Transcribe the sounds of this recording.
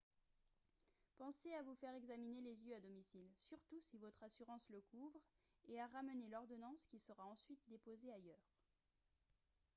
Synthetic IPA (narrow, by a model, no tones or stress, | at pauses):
pɑ̃seavufɛʁɛɡzaminelezjøad̪ɔmisilsyʁt̪usivɔt̪χasyʁɑ̃sləkuvʁ | eaʁamənelɔʁd̪ɔnɑ̃skʲisəʁaɑ̃sɥit̪d̪epozeajœːʁ